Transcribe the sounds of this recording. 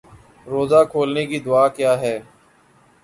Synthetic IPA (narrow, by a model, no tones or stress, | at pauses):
ɾoːzaːkʰoːlneːkid̪ʊaːkjaːɦɛː